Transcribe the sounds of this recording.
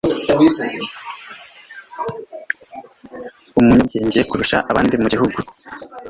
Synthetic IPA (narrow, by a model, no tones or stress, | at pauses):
umuɲumɟeːɲɟijekuɾuʃa̰ʔaβaːndimuɟiɦuɡu